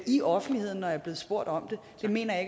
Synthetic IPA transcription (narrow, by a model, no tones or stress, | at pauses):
iʔɒ̽fn̩̥lihe̝ð̞̰ˠn̩nːɒ̽jɑ̈ɐb̥e̝ːðˠsb̥o̝ɐ̰ɾ̥ɒ̽md̥e̝ | d̥e̝me̝̰ːnɐjɑ̈e